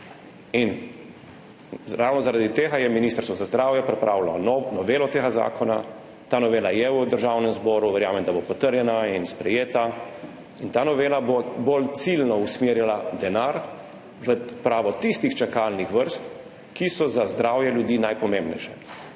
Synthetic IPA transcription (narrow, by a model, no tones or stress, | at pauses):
in | ɾawnɔzaɾad̪it̪eːɡajɛminist̪əɾst̪ʋɔzazd̪ɾaːwjɛpɾɛpɾʔaːwlɔnnɔʋeːlɔt̪eːɡaza̰ːkʰɔna | t̪aːnɔʋeːlajɛwd̪əɾʒaːwnɛmzbɔːɾuʋɛɾjaːmɛnd̪abopɔt̪əɾjɛnainspɾɛjeːt̪a | int̪aːnɔʋeːlabobolt̪silnɔusmeːɾjalad̪ɛnaːɾ | ʋəpɾaːʋɔt̪ist̪ixt͡ʃakalnixʋəɾst̪ | kisɔzazd̪ɾaːwjɛljud̪iːnajpɔmẽmbnɛ̰jʃɛ̰